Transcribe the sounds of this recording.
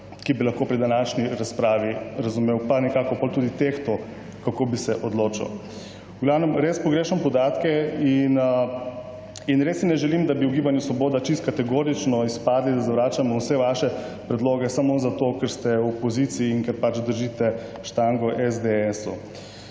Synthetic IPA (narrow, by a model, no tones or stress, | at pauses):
kibilaxkopɾid̪anaʃniɾaspɾaːʋiɾazumeːwpanɛkaːkɔpoːlt̪uːd̪it̪ext̪ɔ | kakobisɛʔɔd̪loːt͡ʃḭw | uɡlawnɛmɾespɔɡɾeːʃɛnmpɔd̪aːt̪kɛin | inɾessinɛʒɛlimd̪abiuɡiːbanjusʋɔboːd̪at͡ʃist̪̚kat̪ɛɡoːɾit͡ʃnɔispaːd̪lid̪azaʋɾaːt͡ʃamɔwsɛʋaʃɛpɾɛd̪loːɡɛsamozat̪okɛɾst̪ɛwɔpɔzit̪siːŋkɛɾpat͡ʃd̪əɾʒit̪ɛʃt̪aŋɡɔʔɛzd̪eɛsu